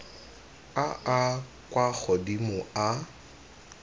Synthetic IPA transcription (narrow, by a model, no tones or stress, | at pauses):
aʔa | kʼwak͡xʰɔdimʊa